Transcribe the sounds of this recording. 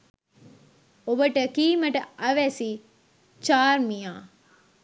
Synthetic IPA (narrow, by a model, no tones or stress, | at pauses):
obəʈəkiːmɐʈəʔɐʋæsi | t͡ʃaːɾmijaː